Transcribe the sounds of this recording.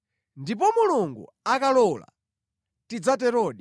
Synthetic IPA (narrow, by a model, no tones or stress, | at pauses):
ndip̬ɔmuluŋɡṵ | akalɔla̰ | tid͡zatɛɾɔɗi